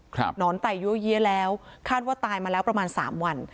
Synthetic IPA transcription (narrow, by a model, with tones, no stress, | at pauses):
kʰnɔː˦˥nt̪a˨˩jjuː˦˥əji˦˥əlɛː˦˥wkʰaː˥˩t̪̚waː˥˩t̪aː˧jmaː˧lɛː˦˥wpɾa˧maː˧nsa̰ː˩˦mwa˧n